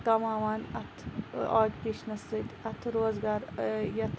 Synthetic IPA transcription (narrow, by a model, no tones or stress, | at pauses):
kɐmaːʋaːnɐt̪ʰaːdʲkiʃnɐsɨt̪ʲɐt̪ʰɾoːzɡaːɾjɐt̪ʰ